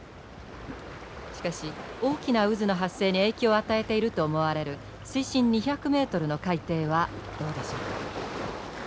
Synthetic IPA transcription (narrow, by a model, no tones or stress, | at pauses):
ɕi̥kaɕio̞ːkʲinaɯ̟zɨno̞ɦasːe̞ːɲ̟ie̞ːkʲooːat̪ae̞t̪e̞iɾɯ̟t̪o̞ːmo̞βaɾe̞ɾɯ̟ | sɨiɕĩɲ̟ːiçakɯ̟me̞ːt̪o̞ɾɯ̟no̞kait̪e̞ːβad̪̥o̞ːd̪e̞ɕo̞ːka